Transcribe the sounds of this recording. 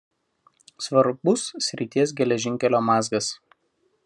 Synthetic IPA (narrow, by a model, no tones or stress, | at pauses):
sʋɐɾbʊsːʲɾʲɪt̪ʲiɛs̬ɡʲɛlʲɛʒʲɪŋʲkʲɛlʲoːmɑːzɡɐs